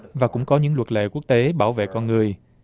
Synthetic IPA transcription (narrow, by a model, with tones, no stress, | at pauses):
vaː˨˩kʊ̰˧˥ŋ͡mkɔ˨˦ɲɨ̰˧˥ŋlwə˨˩t̚lḛ˧˨ku˦˥ək̚t̪e˨˦ɓaː˧˩wvḛ˧˨kɔ˧nŋɨ˨˩əj